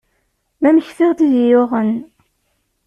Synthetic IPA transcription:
mæməçθɪʁt̪iðjʊʁən

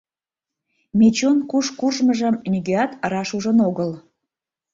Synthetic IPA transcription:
mʲet͡ɕonkuʃkuʒməʒə̆mnʲyɡeɑt̪əɾɑʃuʒənoɣəl

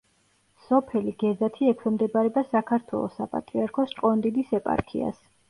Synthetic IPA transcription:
sɔpʰɛliɡɛzat̪ʰiɛkʰwɛmd̪ɛbaɾɛbasakʰaɾt̪ʰwɛ̰lˠɔ̰sapʼa̰t̪ʼɾiaɾkʰɔst͡ʃʼqʼɔnd̪id̪isɛpʼa̰ɾkʰḭa̰s

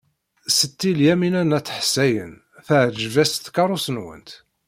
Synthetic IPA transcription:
sət̪ːiljæminænæt͡sːəħsæjə̰n | θəʕʒvæst̪kɑɾˤusənwə̰nt̪

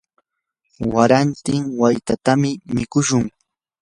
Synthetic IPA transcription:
waɾant̪ɪŋwajt̪at̪amɪmɪkʊʃʊŋ

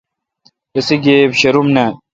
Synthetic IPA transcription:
esiɡebɕɐɾumnɐ

